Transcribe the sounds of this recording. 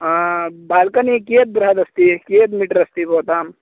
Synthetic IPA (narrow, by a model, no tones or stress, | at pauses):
baːlkɐnikeːt̪̚bɾɐɦɐd̪ɐst̪ikeːt̪miʈɐɾɐst̪ipoːt̪aːm